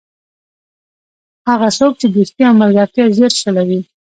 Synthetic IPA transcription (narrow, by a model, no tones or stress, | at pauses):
haɣasok̚t͡ʃed̪ust̪iamalɡɑt̪jazeɾʃalawi